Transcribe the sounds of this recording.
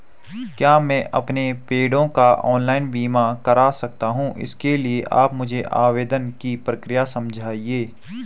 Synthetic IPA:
kjaːmɛ̃ːʔɐpnepeːɽõkaʔɔːnlaːɪnbiːmakɐɾasɐk̚t̪aɦũʔɪ̰skelieʔa̰ːpmʊd͡ʒʱeʔa̰ːʋeːd̪ənkipɾəkɾɪjasɐ̃md͡ʒʱaːieː

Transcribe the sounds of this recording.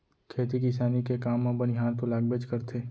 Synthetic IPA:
kʰeːt̪̬ikɪs̬aːnikekaːmːãbənɪɦaːɾt̪olaːɡbet͡ʃkəɾt̪ʰeː

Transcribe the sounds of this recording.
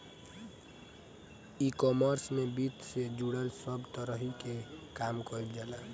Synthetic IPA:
ikɔməɾsmebit̪sed͡ʒuɽəlsəbʱt̪əɾəɦikekamkɔild͡ʒala

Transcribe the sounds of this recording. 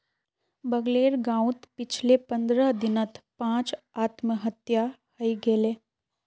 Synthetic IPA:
bəɡleːɾɡãːũt̪pɪt͡ʃʰlepə̃nd̪ɾəd̪ɪnət̪ʰpãːt͡ʃaːt̪məɦət̪jahɐiɡeːleː

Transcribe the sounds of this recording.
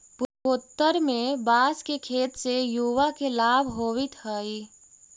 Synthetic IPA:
pʊpʊt̪ːəɾmẽbaːskekʰeːt̪sejuʋakelaːbʱɦoːwɪt̪ɦəi

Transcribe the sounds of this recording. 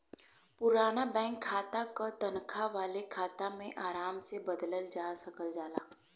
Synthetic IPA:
pʊɾaːnabɛ̃ːŋkʰːaːt̪akot̪ɐnkʰaʋaːlekʰaːt̪amẽʔaːɾaːmsebɐd̪ləld͡ʒaːɾsɐkəld͡ʒaːlaː

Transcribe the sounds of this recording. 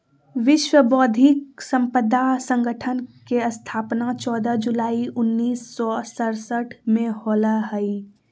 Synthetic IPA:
ʋɪʃwəbɔːd̪ʱɪksə̃mpəd̪asə̃ŋɡəʈʰənkeəst̪ʰaːpnat͡ʃɔːd̪əd͡ʒʊlaːiʔʊnːiːsːɔsəɾsəʈʰmẽhoːlaɦəi

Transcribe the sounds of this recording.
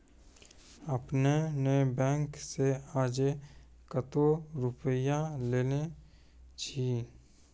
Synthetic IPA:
əpnenebɛ̃ːŋkseaːd͡ʒe | kət̪oɾʊpəjãleːle | t͡ʃʰi

